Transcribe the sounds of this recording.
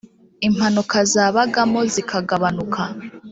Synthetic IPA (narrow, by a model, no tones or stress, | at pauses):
im̥anukazaːβaɡamo̞zikʰaɡaβanukʰa